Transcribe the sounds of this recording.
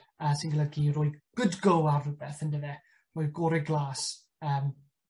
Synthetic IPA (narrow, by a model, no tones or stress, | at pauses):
əːsinɡəlˠəɡiroːjɡ̥ʊdɡowarəbɛθəndəvɛ | roːjɡoːɾɛɡlˠaːs | əːm